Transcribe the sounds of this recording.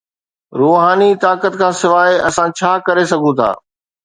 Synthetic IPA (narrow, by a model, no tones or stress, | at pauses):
ɾoːɦaːnit̪aːkət̪kʰãːsɪʋaːeɐsãt͡ɕʰaːkɐɾesɐɡʱũt̪ʰa̰ː